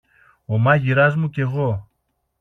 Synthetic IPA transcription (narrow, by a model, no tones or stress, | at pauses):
omɐʝiɾɐzmuce̞ɣo